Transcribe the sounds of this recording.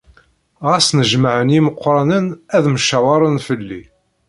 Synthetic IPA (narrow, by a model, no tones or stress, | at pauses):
ʁæsnəʒmaʕənjiməqʷːɾˤɑnənæðməʃæwɑɾˤənfəlːi